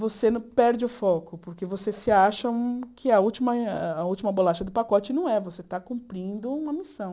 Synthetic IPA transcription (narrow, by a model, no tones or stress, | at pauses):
vosenɐpɛɾd͡ʒɪʊfɔkʊpoɾkevosesɪaʃɐũkʰɪɐuwt͡ʃimɐːuwt͡ʃimɐbolaʃɐd̪ʊpakɔt͡ʃɪnɐ̃w̃ɛvoset̪akũmpɾĩnd̪ʊũmɐmisɐ̃w̃